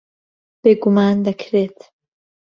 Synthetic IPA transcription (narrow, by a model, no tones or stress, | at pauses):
b̥eːɡumaːnd̪ɐkʰɾeːt̪ʰ